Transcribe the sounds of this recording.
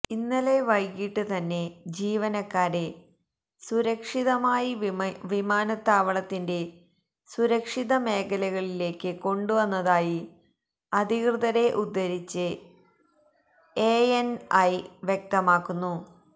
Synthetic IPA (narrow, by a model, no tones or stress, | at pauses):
inːɐle̞ʋɐjkiʈːɨt̪ɐnːe̞d͡ʑiːʋɐnɐkːaːɾe | suɾɐkʂiðɐmaːjiʋimaːnɐt̪ːaːʋɐɭɐt̪ːinde̞ | suɾɐkʂiðɐme̞ːkʰɐlɐɣɐɭile̞ːkːɨko̞ɳɖuʋɐnːɐðaːji | ɐd̪ʱikrɨðɐɾe̞ʔud̪ːɐɾit͡ɕːɨ | eenɐjʋjek̚t̪ɐmaːkːunːu